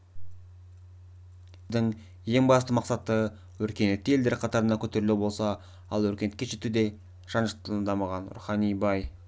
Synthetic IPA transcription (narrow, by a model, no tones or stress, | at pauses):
ɪd̪ɪŋ | je̞ŋbɑst̪əmɑqsɑt̪ə | wɵɾkʲe̞net̪ːeld̪eɾqʰɑt̪ɑɾənd̪ɑkʲʰɵt̪e̞ɾɪlubo̞lˠsɑ | ɑlˠwɵɾkʲe̞net̪kʲeʃet̪ud̪e̞ | ʒ̥ɑnʒəqt̪əlˠənd̪ɑmɑʁɑnɾṵχɑnijbɑj